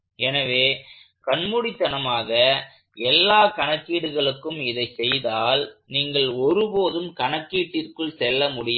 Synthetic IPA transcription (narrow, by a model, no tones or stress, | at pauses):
ɛnɐʋeː | kɐɳmʊɽɪt̪ːɐnɐmaːɣɐ | ɛlːaːkɐɳɐkːiːɽɯɣɐɭɯkːɯmɪðɐɪsɛjðaːlniːŋɡɐɭɔɾɯpoːðɯmkɐɳɐkːiːʈːɪrkɯɭsɛlːɐmʊɽɪjɐ